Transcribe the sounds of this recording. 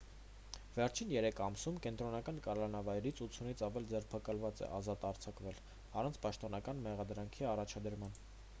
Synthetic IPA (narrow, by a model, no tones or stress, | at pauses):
vɛɾt͡ʃʰinjɛɾɛkʰɑmsumkɛnt̪ɾɔnɑkɑnkɑlɑnɑvɑjɾit͡sʰut͡sʰunit͡sʰɑvɛld͡zɛrpʰɑkɑlvɑt͡sɛ̰ʔɑzɑt̪ɑɾt͡sʰɑkvɛl | ɑrɑnt͡sʰpɑʃt̪ɔnɑkɑnmɛʁɑd̪ɾɑŋkʰiɑrɑt͡ʃʰɑd̪əɾmɑn